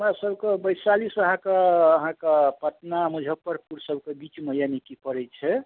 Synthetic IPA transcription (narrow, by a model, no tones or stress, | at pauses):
mɾasəbkebəɪsalisəɦãkaːɦãkapət̪namud͡ʒʱəpːəɾpuɾsəbkebit͡ʃməɦjanikipəɾɛt͡ʃʰɛ